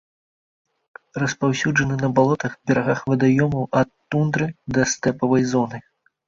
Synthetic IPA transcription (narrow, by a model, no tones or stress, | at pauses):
rɐspawsʲuʐɐnɨnɐbalˠɔt̪ɐxbʲɛɾaɣaxvɐd̪ajɔmɐwʔɐt̪ːund̪ɾɨd̪ɐst̪ɛpɐvɐjzɔnɨ